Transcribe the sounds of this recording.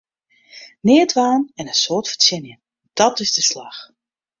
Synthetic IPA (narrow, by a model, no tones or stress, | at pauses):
nɪːtʋaːnɛnənsoːtfəsɪnjə | d̥ɔtɪzdəslax